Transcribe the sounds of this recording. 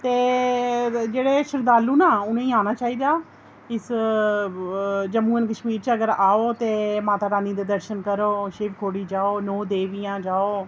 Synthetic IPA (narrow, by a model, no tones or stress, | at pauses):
t̪eː | d͡ʒeːɽeːʃəɾd̪aːlːuːnãːʊnẽiːaːnaːt͡ʃaːiːd̪aː | ɪs | d͡ʒəmuːənkəʃmiːɾt͡ʃəɡəɾaːoːt̪eːmaːt̪aːɾaːniːd̪eːd̪əɾʃənkəɾoːʃɪʋkʰoːɽiːd͡ʒaːoːnoːd̪eːʋɪjãːd͡ʒaːoː